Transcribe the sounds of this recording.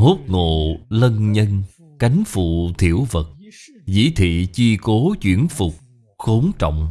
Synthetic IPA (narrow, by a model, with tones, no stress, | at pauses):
ho˦˥t̚ŋo˨lə˧nɲə˧n | ka˨˦jŋ̟fṵ˧˨t̪ʰi˧˩əwvə˨˩t̚ | zḭ˧˥t̪ʰḭ˧˨t͡ɕi˧ko˨˦t͡ɕwi˧˩ənfʊ˨˩k͡p̚ | xo˨˦nt͡ɕɔ̰˧˨wŋ͡m